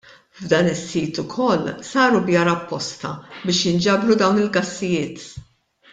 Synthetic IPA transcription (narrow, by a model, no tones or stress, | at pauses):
vd̪ɐːnɪsːiːt̪ʊkʰɔlːsɐːɾubjɐɾɐpːɔst̪ɐ̰bɪːʃjɪnd͡ʒɐbɾud̪ɐwnɪlɡɐsːɪjɪːt̪